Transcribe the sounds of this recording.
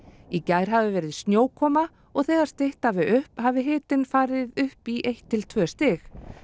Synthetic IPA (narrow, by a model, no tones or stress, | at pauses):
icaːjɾ̥ɦavɪvɛːɾɪðst̪njoːwkʰɔːma | ɔɣθɛːɣaɾ̥st̪eht̪avɪʔʏhphavɪɦɪːt̪ɪnfaːɾɪðʏhpiʔejht̪ʰːɪlt̪ʰvœːst̪ɪx